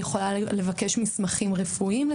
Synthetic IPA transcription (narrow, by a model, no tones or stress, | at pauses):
jeχo̞lale̞vake̞ʃmismaχimʁefuimle